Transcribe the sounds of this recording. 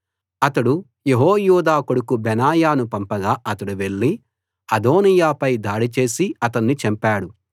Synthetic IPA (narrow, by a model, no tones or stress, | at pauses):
ɐt̪ɐɽu | jeɦoːjuːd̪aːkoɽukubɛnaːjaːnupɐmpɐɡaːʔɐt̪ɐɽuʋe̞ɭːi | ɐd̪o̞ːnijaːpɐjd̪aːɽit͡ʃe̞ːsiɐt̪ɐnːit͡ʃɛmpaːɽu